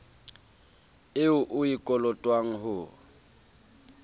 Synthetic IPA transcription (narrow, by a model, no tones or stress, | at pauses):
ɪʊʔʊikʼɔlɔtʼwaŋ̩ɦʊ